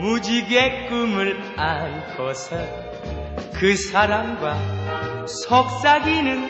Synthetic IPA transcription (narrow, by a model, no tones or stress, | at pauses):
mud͡ʑiɡek͈umɯɭ | ankʌsʰɯ | kɯsʰaɾamɡwa | sʰʌk̚s͈aɡinɯn